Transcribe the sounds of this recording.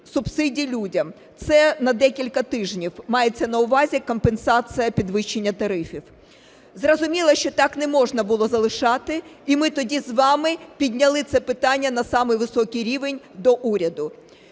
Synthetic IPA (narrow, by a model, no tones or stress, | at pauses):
sʊbsɪdʲilʲudʲɐm | t̪sɛnɐd̪ɛkʲilʲkɐt̪ɪʒnʲiwmɑjet͡sʲːɐnɐʊʋɑzʲikɔmpensɑsɨjɐpʲid̪ʋɪʃt͡ʃːenʲːɐt̪ɐɾɪfʲiw | zrɔzʊmʲilˠɐʃt͡ʃɔt̪ɑknɛmɔʒnɐbʊlˠɔzɐlˠɪʃɑt̪ɪimɪt̪ɔdʲizʋɑmɪpʲid̪ʲnʲɐlˠɪt̪sɛpɪt̪ɑnʲːɐnɐsɑmɪjʋɪsɔkʲijɾʲiʋenʲ | d̪ɔʔuɾʲɐd̪ʊ